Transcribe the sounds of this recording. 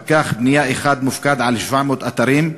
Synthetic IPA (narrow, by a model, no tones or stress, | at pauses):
kaːxbnɪjaːʔɪxaːd̪mʊfkaːd̪ʕalʃfaːʕmʊt̪ʔat̪ɑɾiːm